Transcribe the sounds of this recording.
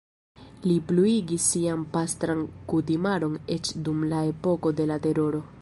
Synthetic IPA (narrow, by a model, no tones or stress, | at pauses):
lipluiɡisːiampastɾankutimaɾo̞ne̞t͡ʃdumlae̞po̞ko̞de̞late̞ɾo̞ɾo̞